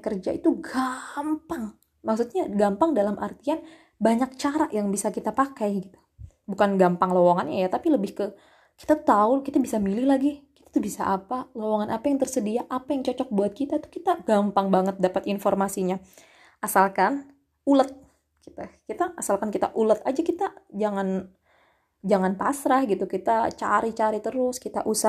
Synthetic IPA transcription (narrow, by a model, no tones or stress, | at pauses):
kərd͡ʒait̪uɡampaŋ | maksut̪̚ɲaɡampaŋdalamʔa̰rt̪ian | baɲak̚t͡ʃaɾaʔjaŋbisakit̪apakajɡit̪u̥ | bukanɡampaŋlowaŋanɲajat̪apiləbɪhkə | ki̥t̪at̪aukit̪abisamilɪhlaɡiki̥t̪ḁt̪ubisa̰ʔapalowaŋanʔapajaŋt̪ərsədiaʔapajaŋt͡ʃɔt͡ʃɔk̚buat̪̚kit̪at̪u̥kit̪aɡ̥ampaŋbaŋət̪̚dapat̪informasiɲa | asalkan | ulət̪̚ | ki̥t̪akit̪aʔːsalkankit̪aʔulət̪̚ad͡ʒakit̪ad͡ʒaŋan | d͡ʒaŋant̪asɾahɡit̪ukit̪at͡ʃa̰ɾit͡ʃaɾit̪əɾʊskit̪a̰ʔusa